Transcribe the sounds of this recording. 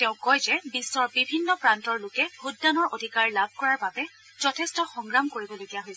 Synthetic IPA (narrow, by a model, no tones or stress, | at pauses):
tɛʊ̃kɔjzɛbisːɔɹbibʱinːɔpɹantɔɹlʊkɛhudːanɔɹʔodʱikaɹlabʱkɔɹaɹbabɛ | z̥ɔtʰɛstɔxɔŋɡɹamkoɹibɔloɡijaɦojsɛ